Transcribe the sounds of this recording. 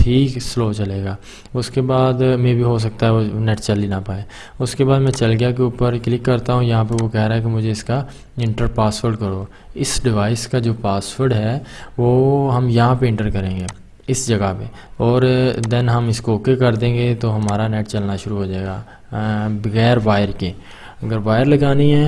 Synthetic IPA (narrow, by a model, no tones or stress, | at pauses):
ʈʰiːksloːt͡ʃɐleːɡaː | ʊskebaːd̪mẽbʱiɦos̬ɐk̚t̪aɦɛonɛːʈt͡ʃɐlinapaːeː | ʊskebaːd̪mɛ̃t͡ʃɐlɡɪjak̬euːpəɾklɪkːɐɾt̪aɦũjɐɦãp̬eʋokɛɦɾaːɦɛkemʊd͡ʒʱeɪska | ɪ̃ɳʈəɾpaːsfəɾɖkɐɾoː | ɪsɖɪʋaːɪskad͡ʒoːpaːsfəɾɖɦɛʋoːɦɐmjɐɦãpeɪ̃ɳʈəɾkɐɾẽːɡeː | ɪsd͡ʒɐɡape | ɔːɾd̪ɛnɦɐmɪskokekɐɾd̪ẽːŋɡet̪oɦɐmaːɾanɛːʈt͡ʃɐlnaʃʊɾuɦoːd͡ʒaːeːɡaː | bɐɣɛːɾʋaːjəɾkeː | ɐɡəɾʋaːjəɾlɐɡaːniɦɛː